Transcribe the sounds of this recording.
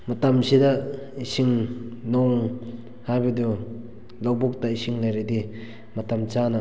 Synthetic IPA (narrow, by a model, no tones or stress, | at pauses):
mɐtamsida | isiŋnɔŋ | hajbɐdu | lawbɔk̚taisiŋlajɾadi | mɐtamt͡ʃana